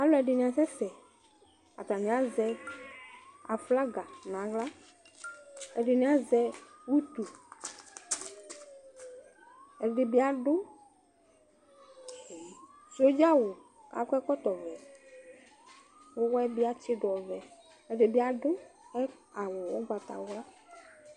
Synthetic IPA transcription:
a˦lɔ˦ɛ˨ɖɪ˨nĩ˨ã˨sɛ˦fɛ˨ | a̰˨t̪a˨nĩ˨˦a˦zɛ˧ | a˨fla˦ɡa˨nã˨˦ɡla˦ | ɛ˨ɖɪ˨nĩ˨˦a˦zɛ˧wu˦t̪u˨ | ɛ˨ɖɪ˨bi˦a˨ɖʊ˦˨ | so˦d͡ʒa˦wʊ˨ | ka̰˨˦kʷɛ˦kɔ˦t̪ɔ˨vɛ˨ | wʊ˦wɔ˦ɛ˦bi˦a˦t͡ʃɪ˦ɖɔ˨vɛ˨ | ɛ˨ɖɪ˨bi˦a˨ɖʊ˦ɛ˦a˨wʊ˨wʊ˦ɡ͡ba˨t̪a̰˨wʊ˦a˦

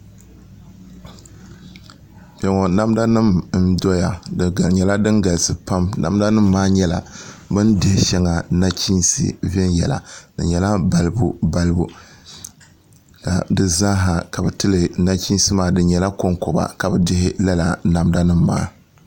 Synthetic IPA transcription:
bʲɛ˨ŋɔ˨na˦mda˦nɨ˦mn̩˦dɔ˦ja˨dɨ˨ɡa˨ɲɛ˨la˦dɨ˦nɡa˨lsɨ˨pa˦mna̰˨mda˦nɨ˦mːaː˦ɲɛ˦la̰˨bɨ˦ndɪ˦hɪ˦ʃɛ˦ŋa˨na˦t͡ʃi˦n˦sḭ˦˨vɛ˦njɛ̰˨la̰˨dɨ̰˨ɲɛ˨la˦ba˨lɨ˦bu˦ba˦lɨ˦bu˦ | ka̰˨dɨ˦za˦ɦa˨ka˨bɨ˨tɨ˦lɨ˨na˦t͡ʃi˦n˦sɨ˦maː˦dɨ˨ɲɛ˨la˦ko˦ŋkɔ˨ba̰˨ka˨bɨ˨dɪ˦hɪ˦la˦la˨na˨mda˦nɨ˦mːa̰ː˦

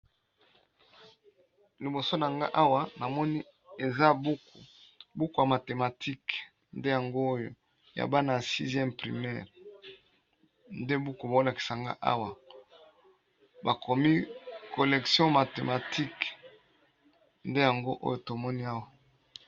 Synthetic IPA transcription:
li˨bo˨so˦na˨ŋɡa̰˦ʔa˦wa˨na˨mɔ˦ni˦ | e˨za˦bku˨bu˦ku˨ja˨ma˨te˨ma˨tʰi˦k | nde˦ja˨ŋɡoː˦jo̰˨ | ja̰˨ba˦na˨sḭ˦zjɛ˦mpʁḭ˨mɛ̰˦ʁ | nde˦bu˦ku˨ba˨o˦la˨ki̥˨sa˨ŋɡa̰˦ʔa̰˦wa˨ | ba˨kʰɔ˨mi˦ko˨lɛ˨ksjɔ̃˦ma˨te˨ma˨tʰi˦k | nde˦ja˨ŋɡo˦ʔo̰˦jo˨to˨mɔ˦ni˦a˦wa˨

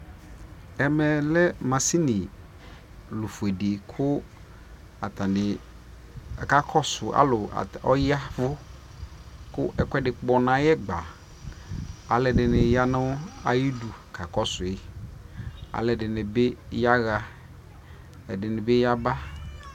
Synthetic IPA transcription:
ɛ˨mɛ˨lɛ˦mã˨si˦nɪ˨ | lʊ˨fe˨de˨kʰʊ˦ | a˨tã˨dɪ˨ | ka˨kʰɔ˦sʊ˨ʔa̰˦lʊ˨a̰˨ɔ˦ja˦vʊ˦ | kʊ˦ʔɛ˨kʷɛ˦dɪ˨k͡pɔ˨nã˨jɛ˦ɡ͡ba˨ | a˨lɛ˨dɪ˨nɪ˨ja˦nʊ̃˦a˨ji˦du˨kʰa˨kɔ˦sʊ˨ɪ˨ | a̰˨lɛ˨dɪ˨nɪ˨be˦ja˦ɣa˦ | ɛ̰˨dɪ˨nɪ̃˨bɛ˦ja˦ba˦

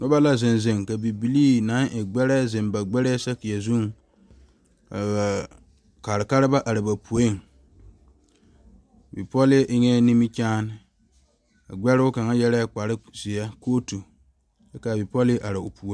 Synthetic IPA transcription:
nʊ˦ba˦la˦zɪ˨nzɪ˨ŋka˨bi˨bi˨liː˦na˨˦ŋʔɪ˨ɡ͡bɛ˦ɾɛ˦zɪ˨mba˨ɡ͡bɛ˦ɾɛ˦sa˦kɪ˨ja˨zu˦ŋ | a̰˨ba˨ | ka˨ɾɪ˨ka˦ɾɪ˦ba˦ʔa˨ɾɪ˨ba˨pu˨o˦ŋ˨ | bi˨pɔ˦lɪ˦ʔɪ˦ŋɛ˦ni˦mi˦t͡ʃaː˦n˦ | a̰˨ɡ͡bɛ˦ɾɪ˦ʊ˦ka˨ŋa˦jɛ˦ɾɛ˦k͡pa˨ɾɪ˦zɪ˨a˦koː˦tu˨ | a˦ka˨bɪ˨pɔ˦lɪ˦ʔa˨ɾɪ˨ʊ˨pu˨o˦

